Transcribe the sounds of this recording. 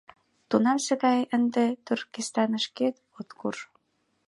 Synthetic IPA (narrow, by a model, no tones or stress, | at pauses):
t̪unɑmsə̆ɣɑjənd̪et̪yrkist̪ɑnə̆ʃket̪ | ot̪kur